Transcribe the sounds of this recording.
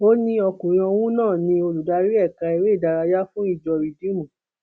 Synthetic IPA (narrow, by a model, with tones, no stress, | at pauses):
o˦nĩ˧ɔ˧kũ˨ɾ̃ɔ̃˧wũ˦nãː˦˨nĩ˧o˧lu˨da˧ɾi˦ɛ˦˨kã˧i˨ɾe˦i˦˨da˧ɾa˧ja˦fũ˦i˦˨d͡ʒɔ˧ɾi˨dĩ˦mũ˨